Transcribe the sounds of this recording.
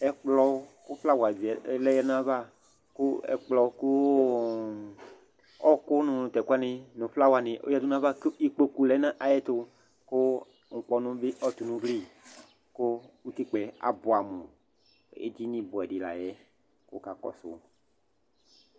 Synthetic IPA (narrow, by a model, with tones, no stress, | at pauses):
ɛ˨k͡plɔ˨˦ku˦fla˦wa˨vi˨˦lɛ˦jɛ˦nã˦va˦ | kʊ˦ɛ̰˨k͡plɔ˨˦ku˦ | ɔ˦kʊ˦nʊ̃˨nʊ̃˨t̪ɛ˨ku˦a˦nɪ̃˨nʊ̃˨fla˦wa˨nɪ̃˨ʔo̰˦ja˨du˦nã˦va˦ki˦k͡po˦ku˦lɛ˨˦nã˦ʔa˨jɛ˦t̪ʊ˦ | ko˦ | ŋ̩˨k͡pɔ˨nʊ̃˦bɪ˦ʔɔ˦t̪u˨nũ˦vli˦ | ko˦wu˦t̪i˦k͡pɛ˨a̰˨bo˨a˨mõ˨ | ḛ˦d͡ʒi˦nĩ˦bo˨ɛ˨di˨la̰˨jɛ˦ | ko̰˦ka˨kɔ̰˨so̰˨˦